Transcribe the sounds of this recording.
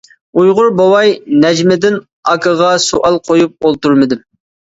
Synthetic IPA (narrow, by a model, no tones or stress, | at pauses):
ujʁʊɾbowɑjnɛd͡ʒmɪd̪ɪn | ɑkʰəʁɑsuʔɑlˠqʰojup̚olˠt̪uɾmɨd̪ɪm